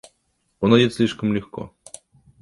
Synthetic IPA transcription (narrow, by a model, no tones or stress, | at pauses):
onɐdʲɪt̪sʲlʲiʂkəmlʲɪxko̰